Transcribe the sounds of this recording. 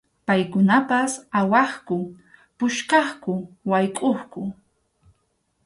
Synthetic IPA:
pajkʊnapasawɑχkʊ | pʊʃkɑχkʊwajkʼoχkʊ

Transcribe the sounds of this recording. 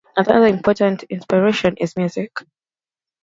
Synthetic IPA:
naðəʌðəɪ̃mpʰɔtə̃ntʰɪ̃nspɪɹeʃɔ̃nʔɪzmjuzɪk

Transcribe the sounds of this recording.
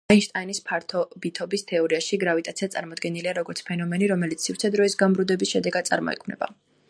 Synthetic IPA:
ainʃt̪ʼainispʰaɾt̪ʰɔbit̪ʰɔbist̪ʰɛɔɾiaʃiɡɾavit̪ʼat̪sʰiat̪sʼa̰ɾmɔd̪ɡɛniliaɾɔɡɔɾt̪sʰpʰɛnɔmɛniɾɔmɛlit̪sʰsifɾt̪sʰɛd̪ɾɔisɡambɾud̪ɛbisʃɛd̪ɛɡad̪t̪sʼa̰ɾmɔ̰ɛ̰kʰmnɛ̰ba̰

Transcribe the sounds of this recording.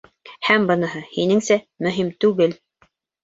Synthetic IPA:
hæmbɤ̆nɤ̆ɦɤhinɘŋsæ | mɵ̆ɦimt̪ʉɡɘl

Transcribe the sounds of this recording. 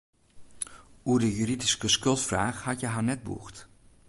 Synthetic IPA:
uərdəjyridiskəskɵlˠtfraːχhɑtjəɦanɛt̚bṵχt

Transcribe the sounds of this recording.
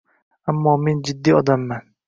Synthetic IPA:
amːɒːme̞nd͡ʒɪd̪ːiːɒd̪amːan

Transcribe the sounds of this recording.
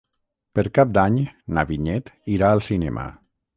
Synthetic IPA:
pəɾkap̚d̪aɲnaβiɲɛt̪iɾaəlˠsinɛmʔə̰

